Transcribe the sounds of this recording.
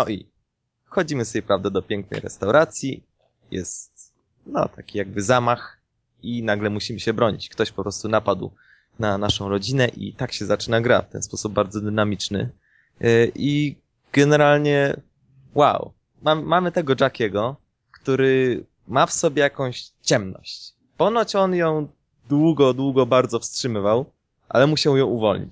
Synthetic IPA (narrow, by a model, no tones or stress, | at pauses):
nɔʔḭ | xɔd͡ʑimɘsɛjpɾavd̪ad̪ɔpʲjɛŋk̚nɛ̰jɾɛ̰st̪awɾʔat̪sʲji | jɛ̰st̪ | nɔ̰t̪ʰakʲijaɡ̚bɘzamax | inaɡlɛmuɕimɘɕɛbɾɔɲḭt͡ɕkt̪ɔɕpɔpɾɔst̪unapad̪w | nanaʂɔ̃w̃ɾɔd͡ʑinɛʔḭt̪akɕɛzat͡ʂɘnaɡɾa̰ft̪ɛ̰nspɔsub̚baɾd̪zɔd̪ɘnamʲit͡ʂnɘ̰ | ʔi | ɡ̥ɛnɛɾalɲɛ | wa̰w | mammamɘt̪ɛɡɔʐakʲɛɡɔ | kt̪uɾɘ | mafsɔbʲjɛjakɔ̃w̃ɕt͡ɕɛmnɔ̰ɕt͡ɕ | pɔnɔt͡ɕɔnjɔ̃w̃ | d̪wuɡɔd̪wuɡɔbaɾd̪zɔfstʂɘmɘvaw | ʔa̰lɛmuɕawjɔ̃w̃uvɔ̰lɲḭt͡ɕ